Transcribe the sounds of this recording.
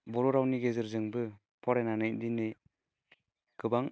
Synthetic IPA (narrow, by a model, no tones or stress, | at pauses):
bɔɾɔɾawniɡezɯɾzɯŋbɯ | pʰɔɾenanɯjdinɯj | ɡ̥ɯbaŋ